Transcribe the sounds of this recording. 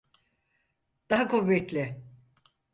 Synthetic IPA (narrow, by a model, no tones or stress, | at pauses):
d̪̥aɦakuvːɛt̪lʲɪ